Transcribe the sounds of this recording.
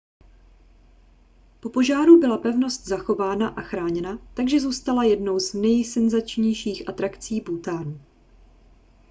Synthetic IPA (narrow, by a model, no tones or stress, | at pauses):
po̞po̞ʒaːɾubɪlapɛvno̞st̪zaxo̞vaːnaʔaxɾaːɲɛnat̪aɡʒɛzuːst̪alajɛdno̞wznɛjsɛnzat͡ʃɲɛjʃiːxʔat̪ɾakt͡siːbuːt̪aːnu